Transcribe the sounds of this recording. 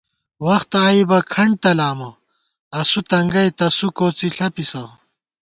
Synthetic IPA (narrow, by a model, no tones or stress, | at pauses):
wɐxt̪aːjibɐkʰɐɳɖ̚t̪ɐlaːmɐ | ɐsut̪ɐŋɡɐjt̪ɐsukoːt͡siɬɐpisɐ